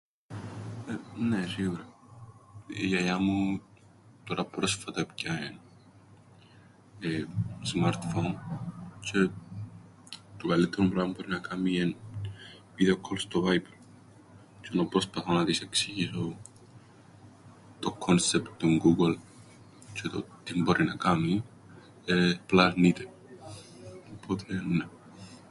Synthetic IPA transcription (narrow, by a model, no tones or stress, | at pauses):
enesiɣuɾa | ijajamu | t̪oɾapɾosfat̪apcaen | esmaɾt̪font͡ʃʰe | t̪okalːit̪ʰːeɾumpɾampoɾinakamien | viðeokʰolst̪ovajpel | t͡ʃonopɾospaθonɐðiseksiʝiso | t̪okʰonsept̪t̪uŋɡuɡol | t͡ʃet̪o̰t̪ːimboɾʔinɐkami | eplanit̪ʰe | opʰːot̪ʰene